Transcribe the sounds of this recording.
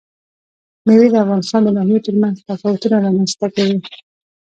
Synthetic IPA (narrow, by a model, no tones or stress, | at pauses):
milid̪əafɣɑnɪst̪ɑnd̪ənaɦotʊɾmanzt̪afɑwʊt̪unaɾɑmanst̪akawi